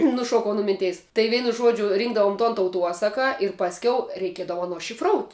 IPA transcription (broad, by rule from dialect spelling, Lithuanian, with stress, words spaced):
nʊˈʃuɔkɐʊ nʊ ˈmʲɪnʲˌtʲɛɪs tɐɪ ˈʋʲɛɪnʊ ˈʒuɔd͡ʒʲʊ ˈrʲiːŋɡdɐʋoːm tuɔn tɐʊˈtuɔsɐkɐ ɪr pɐsʲˈkʲɛʊ rʲɛɪˈkʲiɛdɐʋoː ˈɑːˌnoː ʃʲɪfˈroːʊtʲ